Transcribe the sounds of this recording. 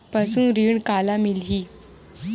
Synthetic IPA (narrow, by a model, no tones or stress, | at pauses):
pasũːnɾiɳkalamilɦiː